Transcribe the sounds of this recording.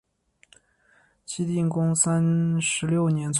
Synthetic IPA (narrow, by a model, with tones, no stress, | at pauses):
t͡ɕʰi˥t̪̬i˥˩ŋkʊ˥ŋsa˥nʂɻ̩˧˥ljo˥˩ʊnjɛ˧˥nt͡sʰ